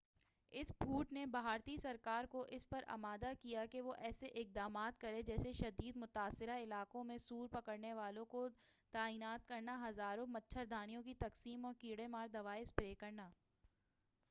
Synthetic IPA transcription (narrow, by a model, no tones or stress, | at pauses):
ɪspʰuːʈnebaɦaːɾt̪isɐɾkaːɾkoʔɪspɐɾɐ̰maːd̪akijakeʋoʔɛːseʔɪk̚d̪aːmaːt̪̚kɐɾed͡ʒɛːseʃɐd̪iːd̪mʊt̪aːsːɪɾaɪlaːkõmẽsuːɾpɐkəɾneʋaːlõko | t̪aːiːnaːt̪̚kɐɾnaɦɐzaːɾõmɐtːʃʰəɾd̪ʱaːnijõk̬it̪ɐqsiːmɔːɾkiːɽemaːɾd̪ɐʋaːɪspɾeːkɐɾnaː